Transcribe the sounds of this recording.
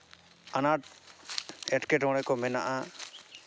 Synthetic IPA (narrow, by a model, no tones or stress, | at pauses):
anaʈ | ɛʈkɛʈɔ̃ɽ̃ɛkɔmɛna̰ʔa